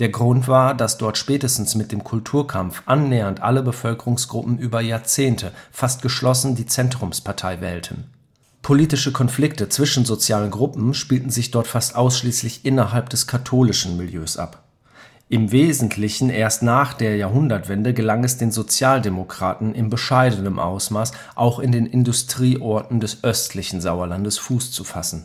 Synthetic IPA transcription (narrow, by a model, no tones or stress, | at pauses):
d̥eːɐɡʁʊntv̥aːɐdasd̥ɔɐtʃpɛːtəstn̩smɪt̚d̥eːmkʰʊltʰuːɐkʰamfʔanːɛːɐntʔa̰ləbəfœlkəʁʊŋsɡ̥ʁʊpm̩ʔyːbɐjaːɐt͡seːntʰəfast̚ɡ̥əʃlɔsn̩diːt͡sɛntʁ̥ʊmspʰaɐtʰaɪvɛːltʰən̩ | pʰoliːtɪʃəkʰɔnflɪk̚tət͡sv̥ɪʃn̩zot͡sjaːlənɡʁʊpm̩ʃpiːltn̩zɪçd̥ɔɐtfastʔaʊsʃliːslɪçʔɪnɐɦalpd̥ɛskʰatʰoːlɪʃn̩mɪljøːsʔa̰p | ʔɪmveːzn̩tʰlɪçn̩ʔeːɐstnaːχd̥eːɐjaːɐɦʊndɐtv̥ɛndəɡəlaŋɛsd̥eːnzot͡sjaːldemokʁ̥aːtn̩ʔɪnbəʃaɪdənəmʔa̰ʊsmaːs | ʔaʊxɪndeːnɪndʊstʁ̥iːʔɔɐtn̩dɛsʔœstʰlɪçn̩zaʊɐlandəsfuːst͡sufasn̩